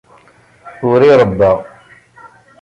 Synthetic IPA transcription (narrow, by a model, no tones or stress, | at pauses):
ʊɾiɾˤəbːɑʁ